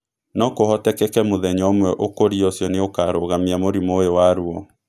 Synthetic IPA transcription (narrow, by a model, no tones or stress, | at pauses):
nɔkohɔtɛkɛkɛmoðɛɲɔomwɛʔokoɾiɔsjɔneokaɾoɣamiamoɾimoewaɾuɔ